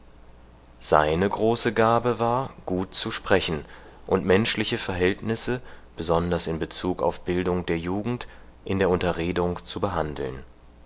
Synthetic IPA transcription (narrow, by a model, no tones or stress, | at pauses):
z̥a̰ɪnəɡʁoːsəɡaːbəvaːɐɡ̥uːt̚t͡suʃpʁ̥ɛçn̩ | ʔʊntmɛnʃlɪçəfɛɐɦɛltnɪsəb̥əzɔndɐsɪnbət͡suːka̰ʊfb̥ɪldʊŋd̥eːɐjuːɡŋ̩t | ʔɪndeːɐʊntɐʁeːdʊŋt͡subəɦandl̩n